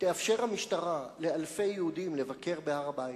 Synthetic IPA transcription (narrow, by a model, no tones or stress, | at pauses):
t̪eafʃe̞ʁhamiʃtaʁale̞alfe̞jeudimle̞vake̞ʁbehaʁabait̪